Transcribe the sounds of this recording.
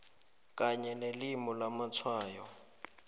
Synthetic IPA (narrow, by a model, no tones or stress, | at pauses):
k̬ʼaɲɛnelimɔlamat͡sʰwaːjɔ